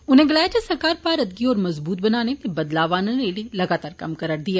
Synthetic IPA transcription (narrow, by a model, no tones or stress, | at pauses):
ʊnɦẽɡɐlaːd͡ʒasɐɾkaːɾpaːɾɐd̪̚ɡiɔːɾmɐzbuːt̪̚bɐnaːnet̪ebɐd̪laːʋaːnõnelilɐɡaːt̪aːɾkɐmkɐɾəɾd̪ijaː